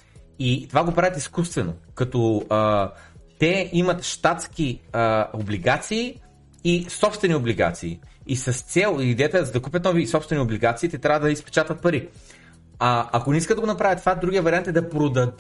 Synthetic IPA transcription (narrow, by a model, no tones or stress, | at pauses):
it̪ovaɡopɾavʲət̪iskust̪vɛno̰kɐt̪ɔət̪ɛimɐt̪ʃt̪at̪sk̟iəobliɡat̪siː | sɔpst̪vɛniobliɡa̰t̪siːisɐst̪sɛlˠiid̪ɛjət̪ɛzɐd̪ɐkup̬ʲət̪nɔvisɔpst̪vɛniobliɡat̪siːt̪ɛt̪ɾʲavəd̪ɐispɛ̥t͡ʃat̪ət̪̚pɐɾi | aɐkonɛiskət̪d̪ɐɡonɐpɾavət̪ːvad̪ɾuɡʲijəvɐɾiant̪ɛd̪ɐpɾod̪ɐd̪